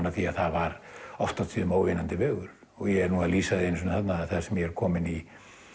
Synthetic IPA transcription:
nːaθiaðθaðvaɾɔft̪at̪ʰiːðʏmoːwvɪnant̪ɪvœːɣʏɾ̥ | ɔɣjɛɛɾnuːaðliːsaðɪensʏnθat̪naðaðθaðsɛmjɛɛɾkʰɔːmɪni

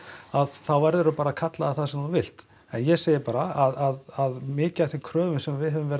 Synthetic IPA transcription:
aðθawvɛɾðʏɾʏpaːɾakʰat̪laðaθaðsɛmθunvɪl̥t̪ | ɛnjɛseːjɪɾpaːɾaaðaðaðmɪːcaθikʰɾœːvʏsɛmvɪðɦɛvʏmvɛːɾ

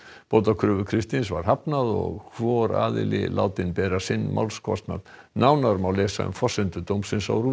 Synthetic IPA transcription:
poːwt̪akʰɾʏːvʏkʰɾɪst̪ins̬vaɾ̥ɦapnaðɔ̰ɣkʰvɔɾa̰ːðɪ̰lɪ̰lʔa̰ːwt̪ɪnpɛːɾasɪnːmʔa̰wlskʰvɔ̰st̪na̰t | nawnaɾmawlɛːsa̰ʏ̰mfɔsɛnt̪ʏt̪oːwmsɪnsa̰wruː

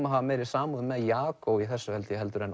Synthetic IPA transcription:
maɦavameːjɾɪ̥saːmuðʏmɛðjaːkowiθɛsːʏhɛlt̪jɦɛlt̪ʏɾɛn

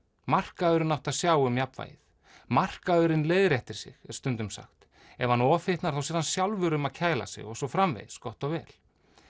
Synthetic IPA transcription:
mar̥kaœɾɪnawht̪aðsjaːwʏmjapva̰ːjɪθ | mar̥kaœɾɪnleːjðɾɛht̪ɪɾ̥sɪ̰ɣɾ̥st̪ʏnt̪ʏmsa̰xt̪ | ɛvhanɔːfɪht̪naɾ̥θawsjɛɾðansjawlvʏɾʏmaðcʰaːjla̰sɪ̰ɣɔsɔfɾamvḛjð̥skɔht̪ɔɣvɛːl

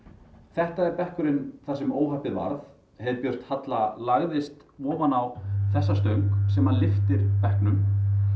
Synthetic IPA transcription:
θɛht̪aɛɾpɛhkʏɾɪnθasɛmoːwɦahpɪðva̰ɾθ | hɛvɪɾpjœr̥t̪hat̪lalaɣðɪst̪ | vɔːvanawθɛsːast̪œɥŋksɛmalɪft̪ɪɾ̥pɛhknʏm

